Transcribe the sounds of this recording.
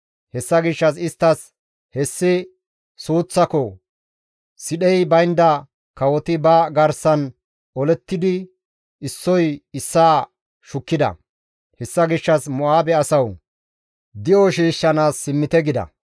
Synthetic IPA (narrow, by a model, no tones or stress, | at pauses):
hɛsːɐɡɪʃːɐs̬ɪst̪ːɐs | hɛsːɪ | suːt͡sːɐkɔ | sɪɗɛjbɐjnd̪ɐ | kɐwɔt̪ɪbɐɡɐɾsɐn | ɔlɛt̪ːɪd̪ɪ | ɪsːɔjɪsːaː | ʃʊkːɪd̪ɐ̰ | hɛsːɐɡɪʃːɐsmɔʔaːbɛɐsɐw | d̪ɪʔɔʃiːʃːɐnaːsːɪmːɪt̪ɛɡɪd̪ɐ̰